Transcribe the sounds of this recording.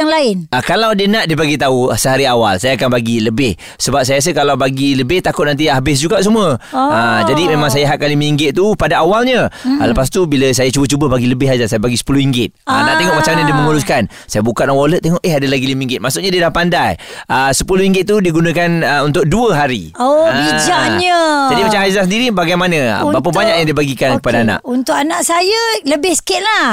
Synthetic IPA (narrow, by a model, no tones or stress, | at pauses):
aŋlaɪnʔəkalawdiənaʔdiəbaɡit̪ausəɦaɾiawa̰lsajaakanbaɡiləbɪh | səbap̚sajas̬əkalawbaɡiləbɪht̪akʊt̪̚nant̪iabɪs̬d͡ʒuɡaʔsuməəd͡ʒadimẽmãŋsajaɦaʔ̚kːaliməiŋɡɪt̪̚t̪upadaawalɲələpast̪ubiləsajat͡ʃubət͡ʃubəbaɡiləbɪɦad͡ʒasajabaɡisə̥puluhiŋɡɪt̪̚ənaʔt̪eŋɔʔmat͡ʃamɲãdiəməŋuɾuskan | sajabukat̪̚lawolət̪̚ːeŋɔʔeɦadəlaɡiliməiŋɡɪt̪̚masuk̚ɲadiədapandajəsəpuluhiŋɡɪt̪̚ːudiɡunəkanəunt̪̬ʊk̚duəɦaɾḭobid͡ʒaʔɲəd͡ʒadimat͡ʃamɦazasəndiɾibaɡajmanə̃ə̰bapəbaɲakjaŋdiəbaɡikankəpadaana̰ʔunt̪ʊkanaʔsajələbɪhsə̥kɪt̪̚lah